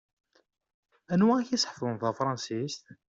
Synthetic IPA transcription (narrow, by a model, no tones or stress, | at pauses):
ænwææçisħfʊnθæfɾˤɑnsist̪